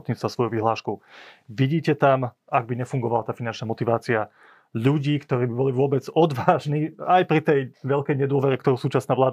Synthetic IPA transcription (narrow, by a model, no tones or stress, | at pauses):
t̪ɲiːt͡st̪vasʋɔjuʋiɦlaːʃkuʊʋiɟiːcɛt̪am | aɡ̚biɲɛfuŋɡɔʋalat̪aːfinant͡ʃnamɔt̪iʋaːt͡sia | ʎuɟiːkt̪ɔɾiːbibɔliʋʊɔbɛd͡zɔd̪ʋaːʒniːajpɾit̪ɛjʋɛʎkɛjɲɛd̪ʊɔʋɛɾɛkt̪ɔɾusuːt͡ʃasnaːʋlaːd̪a